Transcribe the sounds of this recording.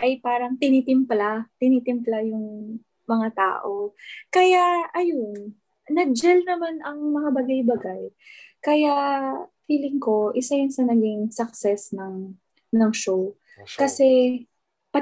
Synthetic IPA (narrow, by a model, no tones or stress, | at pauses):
ʔɐjpaːɾɐŋt̪ɪniːt̪ɪmplat̪ɪnit̪ɪmplajʊŋ | mɐŋat̪a̰ːʔo̞kɐjaɐjon | nɐd͡ʒɛlnɐmanɐŋmɐŋabɐɡajbɐɡaj | kɐjafiːlɪŋko̞ʔɪsajʊnsɐnɐɡɪŋsɐk̚sɛsnɐŋ | nɐŋʃow | kɐsɛ | pɐ